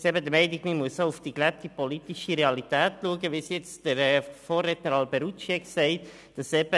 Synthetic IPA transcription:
sɛbədəmɛɪniɡmimuəssoʊfd̥iklɛp̚tipɔlitiʃiɾeɑlitɛːtluəɡəʋisjɛt͡sd̥əɾɛfoːrːɛtnəɾɑlbɛɾut͡ʃɛksɛɪt | d̥ɑsɛb̥ə

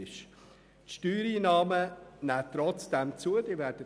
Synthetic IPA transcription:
ɪʃ | tʃtyːɾiːnɑːmənæːt̪ɾɔt͡sd̥ɛmt͡suədiːvɛɾdə

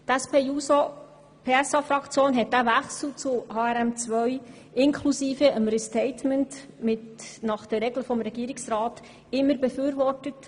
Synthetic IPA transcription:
tæspeːuso | pʰeːæsɑfɾɑkt͡sjoːnɦɛt̚d̥æʋæχsl̩ˠt͡sʊhɑːɛɾæmt͡sʋœɥ | ɪnkʰlusiːfəʔəmɾistɛɪtmɛnt | mɪtnɑχd̥əɾɛɡləfɔmɾɛɡ̥iːɾɪksɾɑːt | ɪmːəɾbəfyːɾvɔrtət

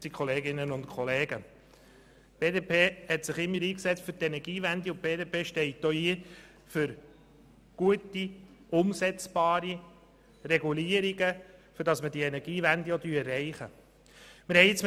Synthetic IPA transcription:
tikʰχɔleːɡɪnənʊntkʰɔleːɡ̥ə | b̥eːdeːpʰeːhɛtsɪχɪmːəɾiːksɛt͡stfʏɾtɛnɛɾɡ̥iːvænd̪iʊb̥eːdeːpʰeːʃtɛɪtːoiə | fʏɾ | ɡ̥uətiʊmsɛt͡sb̥ɑːɾi | ɾɛɡuliːəɾiɡəfʏɾd̥ɑsmədiɛnɛɾɡiːvændiɔdyːɛrːɛɪχə | mɪɾhɛɪɪt͡sm

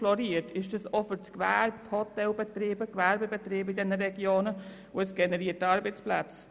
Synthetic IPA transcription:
lɔɾiːətɪʃd̥ɑsɔfʏɾtkʋæ̰ɾpthɔtɛlbɛtriːbəkʋæɾbəbɛtriːbidɛnəɾɛɡjoːnə | ʊɛsɡ̥ɛnəɾiːətːɑːɾbət͡spla̰t͡s

